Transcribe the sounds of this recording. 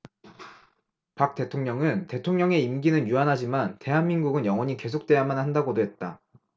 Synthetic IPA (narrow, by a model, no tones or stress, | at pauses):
pak̚t͈e̞tʰoŋɲʌŋɯnte̞tʰoŋɲʌŋe̞imɡinɯnjuanɦad͡ʑimante̞ɦanminɡuɡɯnjʌŋwʌɲike̞sʰok̚t͈we̞jamanɦandaɡodoɦe̞t̚t͈a